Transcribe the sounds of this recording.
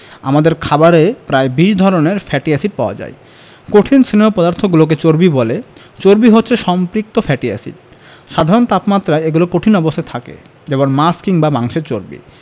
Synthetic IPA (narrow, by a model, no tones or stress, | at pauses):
a̰mad̪eɾkʰabaɾepɾaebiʃd̪ʱɔɾoneɾfɛʈiasiɖ̚paoa̰d͡ʑa̰je | koʈʰinsinemopɔd̪aɾt̪ʰoɡulok̬et͡ɕoɾbibole | t͡ɕoɾbiɦotːɕʰeʃɔmpɾik̚t̪ofɛʈia̰sḭʈ | ʃad̪ʱaɾont̪apmat̪ːɾaeeɡulokoʈʰinɔbost̪ʰat̪ʰakḛ | d͡ʑebonmaskiŋbabaŋʃeɾt͡ɕoɾbḭ